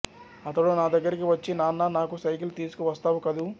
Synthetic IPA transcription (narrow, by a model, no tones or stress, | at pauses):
ɐt̪ːɐɽoːnaːd̪ɐɡːɐɾikiʋɐt͡ʃːinaːnːaːnaːkusɐjkilt̪iːsu̥kuʋɐst̪aːʋukɐd̪u